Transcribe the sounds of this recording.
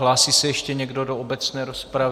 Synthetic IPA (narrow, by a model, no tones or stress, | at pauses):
laːsisɛjɛʃcɛɲɛɡdo̞doobɛt͡snɛːɾospɾav